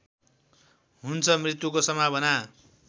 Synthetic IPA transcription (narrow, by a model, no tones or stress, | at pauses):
ɦunt͡sʰʌmrit̪jukosʌmabʌna